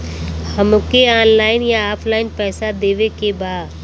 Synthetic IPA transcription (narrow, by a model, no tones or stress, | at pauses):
hɐmʊkeaːnlaːɪnjaaːpʰlaːɪnpɛːsad̪eːʋekebaːd̪